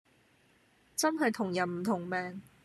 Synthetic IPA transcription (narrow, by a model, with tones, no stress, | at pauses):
t͡sɐ˥nɦɐ˨jt̪ʰʊ˨˩ŋjɐ˨˩nm̩˨˩t̪ʰʊ˨˩ŋmɛː˨˩ŋ